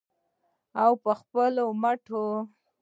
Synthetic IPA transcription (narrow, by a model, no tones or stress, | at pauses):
awpəxpəlomaʈʰo